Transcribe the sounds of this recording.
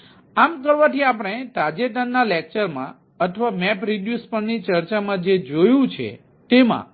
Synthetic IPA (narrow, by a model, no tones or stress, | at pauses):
amkəɾʋãt̪ʰiapəɽ̃et̪ad͡ʒet̪anːalek̚t͡ʃəɾmã̰ | ət̪ʰʋamɛpɾiɖjuspəɳnit͡ʃəɾt͡ʃamãd͡ʒed͡ʒojũt͡ʃʰḛ | t̪emã̰